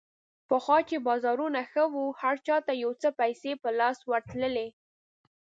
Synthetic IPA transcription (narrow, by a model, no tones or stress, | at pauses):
pəxwɑt͡ʃebɑzɑɾunaxəwuhaɾt͡ʃɑt̪ajawt͡səpajsepəlɑswəɾt̪ləle